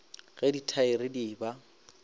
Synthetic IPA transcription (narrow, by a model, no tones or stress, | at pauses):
ɣɛditʰaɪɾɪdiːba